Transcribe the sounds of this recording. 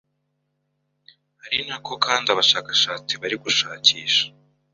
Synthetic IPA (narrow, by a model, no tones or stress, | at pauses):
haɾinakʰo̞kaːndiaβaʃaːkaʃaːt͡siβaɾiɡuʃaːciːʃḁ